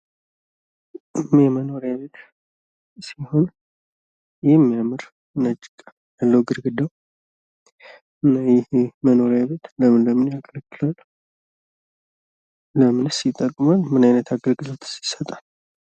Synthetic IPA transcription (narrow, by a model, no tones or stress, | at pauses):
ʔɨmjɛməno̞ɾjaβe̞t̪ | siho̞n | jɛmːijamɨɾ | nət͡ʃʼːɪkʼ | jalːəwɡɨɾɡɨd̪aw | ɨnːajɛhməno̞ɾjaβe̞t̪ləmɨnləmɨnjakʰʼələkːɨlalːə | ləmɨnsjɪt̪ʼːəkʼːmalmɨnajnət̪ʰaɡəɾɡɨlo̞t̪ʰsi̥sət̪ʼal